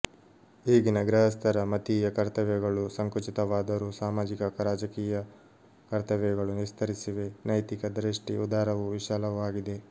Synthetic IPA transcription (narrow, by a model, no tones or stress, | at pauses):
iːɡinɐɡɾɐɦɐst̪ʰɐɾɐmɐt̪iːjɐkɐɾt̪ɐʋɛɡɐɭusɐŋkut͡ʃit̪ɐʋaːd̪ɐɾusaːmaːd͡ʒikɐkɐɾaːd͡ʒɐkiːjɐ | kɐɾt̪ɐʋɛɡɐɭunist̪ʰɐɾisiʋe̞nɐjt̪ikɐd̪ɾiʂʈiud̪aːɾɐʋuʋiʃaːlɐʋaːɡid̪e̞